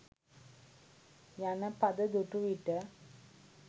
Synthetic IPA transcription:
janəpad̪əd̪uʈuʋiʈə

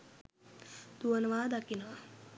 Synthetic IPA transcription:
t̪uənəʋaːd̪akinəʋa

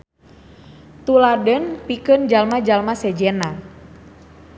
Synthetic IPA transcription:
t̪uladənpikənd͡ʒalmad͡ʒalmasɛd͡ʒɛna

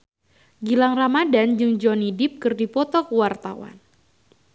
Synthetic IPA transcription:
ɡilaŋramadand͡ʒɨŋd͡ʒɔnidɪp̚kɨrdipɔt̪ɔkəwart̪a̰wa̰n

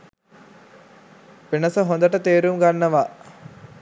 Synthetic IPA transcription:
penəsəɦond̪əʈət̪eːɾumɡanːəʋa

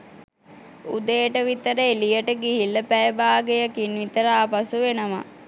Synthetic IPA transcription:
ud̪eːʈəʋit̪əɾəelijəʈəɡiɦilːəpæjəbaːɡejəkinʋit̪əɾaːpasuʋenəma̰

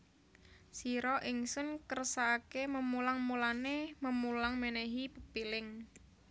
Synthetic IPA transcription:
siɾɔʔɪŋsʊnkərsaːkeməmulaŋmulaneməmulaŋmeneɦipəpilɪŋ

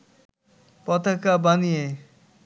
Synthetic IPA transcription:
pɔt̪akabanije

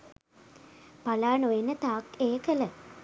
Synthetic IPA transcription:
palaːnojenət̪aːkeːkələ

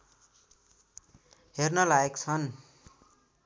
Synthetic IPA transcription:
ɦernʌlaekt͡sʰʌn

